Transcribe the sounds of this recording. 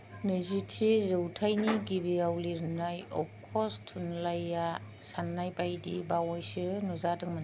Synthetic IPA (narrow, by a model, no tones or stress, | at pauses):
nɯzitʰizɯwtʰajniɡibiawliɾnajɔ̰p̚kʰɔstʰunlajasanːajpajdḭbawɔjsɯnuzadɯŋman